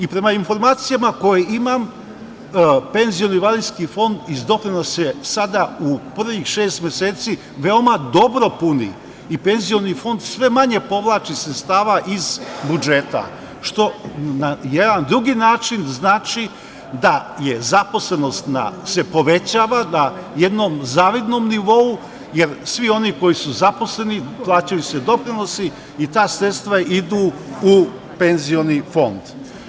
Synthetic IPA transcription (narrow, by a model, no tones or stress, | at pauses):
ipɾe̞mainfo̞ɾmaːt̪sijamako̞jeimam | pe̞nzio̞niʋaliskifo̞nd̪izd̪o̞klinasesad̪aupr̩ʋixʃeːst̪mjeseːt̪si | ʋe̞o̞mad̪o̞bɾo̞punḭ | ipe̞nzijo̞nifo̞nd̪sʋe̞maɲe̞po̞ʋlˠaːt͡ʃisɾet̪st̪aːʋaʔizbud͡ʒe̞t̪a̰ | ʃt̪o̞najed̪and̪ɾuɡinaːt͡ʃinznaːt͡ʃi | d̪aje̞zapo̞sle̞no̞st̪na̰se̞po̞ʋe̞t͡ɕaːʋanaje̞d̪no̞mzaːʋid̪nomniʋo̞u | jeɾsʋio̞niko̞jisuzapo̞sle̞niplˠaːt͡ɕajused̪o̞pɾino̞si | it̪aːsɾet̪st̪ʋaid̪uu | pe̞nzio̞nifo̞nd̪̥